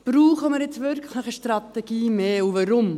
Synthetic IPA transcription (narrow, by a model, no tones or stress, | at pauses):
b̥ɾuːχəməɾjɪt͡sʋʏɾkʰχləχəʃtrɑt̪ɛɡ̥iːmeːuʋɑɾʊm